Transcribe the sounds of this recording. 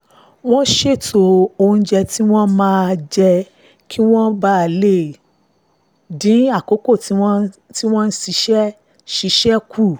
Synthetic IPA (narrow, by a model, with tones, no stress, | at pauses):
w̃ɔ̃˦ʃe˦˨tʰo˧o˧˦d͡ʒɛ˧ti˦w̃ɔ̃˦mãː˦˧d͡ʒɛ˧ | kʰi˦w̃ɔ̃˦ba˦˨le˦˨ | dĩ˨˦a˦˨ko˨˦ko˦˨ti˨˦ti˦w̃ɔ̃˦n̩˦si˧˦ʃɛ˦ | ʃi˧˦ʃɛ˦ku˦˨